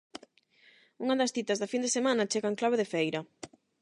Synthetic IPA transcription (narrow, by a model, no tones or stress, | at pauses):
uŋɐðɐsθit̪ɐzðɐfind̪esemanɐt͡ʃeɣaŋklaβeðefejɾɐ